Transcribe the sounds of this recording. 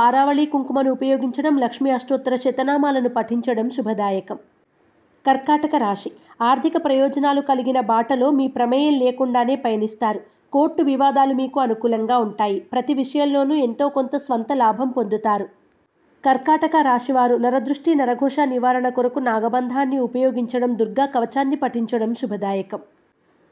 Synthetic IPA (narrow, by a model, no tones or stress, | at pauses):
aːɾaːʋɐɭiːkuŋkumɐnuːpɐjoːɡiɲt͡ʃɐɽɐmlɐkʂmiɐsʈoːt̪ːɐɾɐt͡ʃɛt̪ɐnaːmaːlɐnupɐʈʰiɲt͡ʃɐɽɐmʃubʱɐd̪aːjɐkɐm | kɐɾkaːʈɐkɐɾaːʂiaːɾt̪ikɐpɾɐjɔːd͡ʒɐnaːlukɐliɡinɐbaːʈɐlo̞ːmiːpɾɐmɐjɐmleːkuɳɖaːne̞ːpɐjɐnist̪aːɾu | ko̞ːɾʈːuʋiʋaːd̪aːlumiːkuɐnukuːlɐŋɡaːuɳʈaːjipɾɐt̪iʋiʂɐjɐmlo̞ːnue̞nt̪o̞ːko̞nt̪ɐsʋɐnt̪ɐlaːbʱɐmpond̪ut̪aːɾu | kɐɾkaːʈɐkɐɾaːʂiʋaːɾunɐɾɐd̪ɾuʂʈinɐɾɐɡʱɔːʂaːniʋaːɾɐɳɐkuɾɐkunaːɡɐbɐnd̪ʱaːnːiupɐjoːɡiɲt͡ʃɐɽɐmd̪uɾɡaːkɐʋɐt͡ʃaːnːipɐʈiɲt͡ʃɐɽɐmʃubʱɐd̪aːjɐkɐm